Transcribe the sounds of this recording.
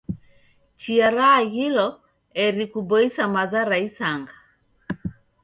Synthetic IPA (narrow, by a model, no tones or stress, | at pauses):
t͡ʃiaɾaːhilɔ | ɛɾikubɔisamazaɾaisaŋɡa